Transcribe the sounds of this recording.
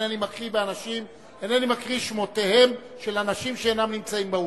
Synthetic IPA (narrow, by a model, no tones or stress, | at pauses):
animakʁibeanaʃim | enanimakʁiʃmo̞te̞he̞m | ʃelanaʃimʃeenamnimt͡saimbau